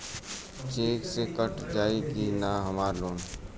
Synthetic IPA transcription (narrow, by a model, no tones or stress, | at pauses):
t͡ʃeːksekəʈd͡ʒaːikinaɦəmaːɾloːn